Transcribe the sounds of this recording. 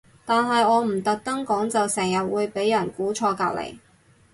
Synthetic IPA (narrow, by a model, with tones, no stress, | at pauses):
t̪aː˨nɦɐ˨jɔː˨˧m̩˨˩t̪ɐ˨k̚t̪ɐ˥ŋkɔː˨˥ŋt͡sɐ˨wsɛː˨˩ŋjɐ˨t̚wuː˨˧jpe˨˥jːɐ˨˩nkuː˨˥t͡ʃʰɔː˧kaː˧w̚lḛ˨˩j